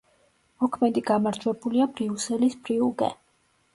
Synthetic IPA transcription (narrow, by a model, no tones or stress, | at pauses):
mɔkʰmɛd̪iɡamaɾd͡ʒwɛbuliabɾiusɛlisb̥ɾiuɡɛ̰